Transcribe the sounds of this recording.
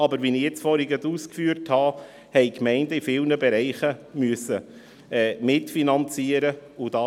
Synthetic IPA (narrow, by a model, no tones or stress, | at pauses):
ɑbəɾʋinɪjɛt͡sfɔɾhiɡəduːskfyːəɾthɑ | hɛɪkmɛɪndəifɪːlnəbɛɾɛɪχəmyəsə | ɛːmɪtfinɑnt͡siəɾəʊd̥ɑ